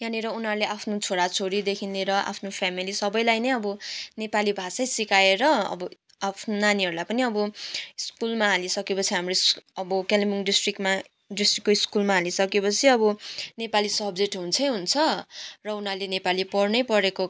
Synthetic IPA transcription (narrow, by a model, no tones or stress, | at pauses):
janiɾʌunʌɾleʔapʰnot͡sʰoɽat͡sʰoɾid̪ekʰinleɾʌʔa̰pʰnopʰamilisʌbʌjlajnʌjʌbʌnepalibʱasʌjsikaeɾʌʌ̰bʌ | apʰnonaniɦʌɾulajpʌniʌbʌiskulmaɦalisʌkepʌt͡sʰiɦamrosʌbʌkalimiŋɖisʈrikma | ɖisʈrikːoiskulmaɦalisʌkepʌt͡sʰiʌbʌnepalisʌbd͡zeʈɦunt͡sʰʌjɦunt͡sʰʌrʌunɦʌrlenepalipʌrnʌjpʌɾeko